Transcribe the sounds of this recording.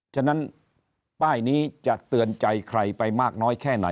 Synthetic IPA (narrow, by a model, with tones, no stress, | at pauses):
t͡ɕʰa˥˩na˦˥n | paː˥˩jniː˦˥t͡ɕa˨˩ʔt̪ɯ˧ənt͡ɕa˧jkʰɾa˧jpa˧jmaː˥˩k̚nɔː˦˥jkʰɛː˥˩na̰˩˦